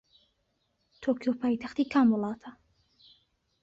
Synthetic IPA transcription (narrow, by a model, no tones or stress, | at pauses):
t̪ʰoːkʰijopʰaːjt̪ʰaχt̪iːkʰaːmwɔlˠɑːt̪ʰɐ